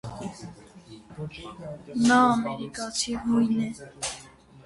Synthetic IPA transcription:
naːmeɾikat͡ʃʰiɦujne

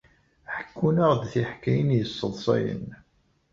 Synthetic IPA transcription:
ħə̥kːunəʁd̪θiħkːæjənjəsˤːəðˤsˤɑ̰jə̰n

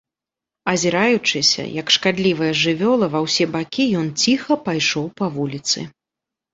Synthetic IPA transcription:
ɐzʲiɾajut͡ʂɨsʲɐ̰jɐkʂkad̪lʲivɐjɐʐɨvʲɔlˠɐvɐwsʲɛbakʲijɔnt͡sʲixɐpajʂɔwpɐvulʲit̪sɨ̰

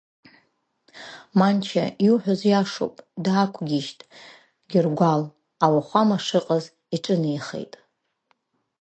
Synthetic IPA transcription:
mant͡ʃʰa̰juħʷᶣʊzjaʂo̰pʼdaːkʷʰɡʲiʃtʼ | ɡʲɪrɡʷal | awaχʷamaʂɨqʼaz | iʈ͡ʂʼɨnijχḛjtʼ

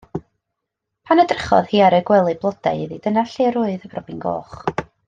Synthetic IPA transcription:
pʰanədrəχɔ̰ðhiːaɾɨɡwɛlˠɨblˠɔdaɨɨðidənaɬeːɾʊːɨðəb̥rɔbinɡo̰ːχ

